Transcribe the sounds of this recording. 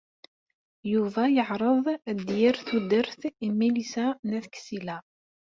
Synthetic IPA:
juvæjəʕɾˤəðˤd̪jɪɾθud̪əɾθimilisænæθksilæ

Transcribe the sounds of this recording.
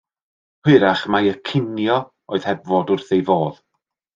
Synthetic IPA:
hwɪɾaχmajəkʰɪnjɔ | oɨð̥hɛbvɔdʊrθejvoːð̥

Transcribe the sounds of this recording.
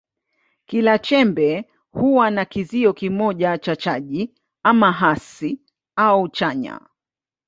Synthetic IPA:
kilat͡ʃɛmbɛ | huwanakiziɔkimɔʄat͡ʃat͡ʃaʄi | amaɦasi | aut͡ʃaɲa̰

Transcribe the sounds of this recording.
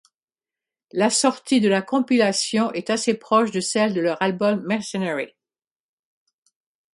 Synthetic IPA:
lasɔʁt̪id̪əlakɔ̃pilasjɔ̃ʔɛt̪asepχɔʃd̪əsɛld̪əlœʁalbɔmːɛʁsɛnɛʁi

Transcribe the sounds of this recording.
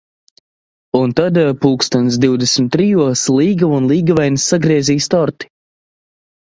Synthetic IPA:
unt̪ad̪puːkst̪ɔnt̪s̬d̪iwd̪ɛsʲmʲt̪ːɾijuɔslˠiːɡaunlˠiːɡavajnsːaɡɾiɛziːst̪ɔɾt̪i̥

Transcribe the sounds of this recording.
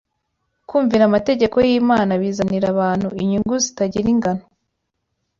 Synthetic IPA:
kuːɱviɾamate̞ɟe̞ko̞jiːmaːnaβiːzaniɾaβaːn̥huiɲuŋɡuzitaɟiɾiŋɡano

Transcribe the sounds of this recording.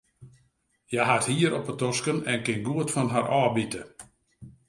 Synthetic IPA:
jaɦathiːəɾɔpətɔskənɛnkɪnɡuətfɔnɦaɾʔɔːbitə

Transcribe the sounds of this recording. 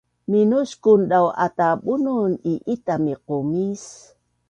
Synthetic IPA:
minuskunɗawa̰taɓununiʔitamiqumis

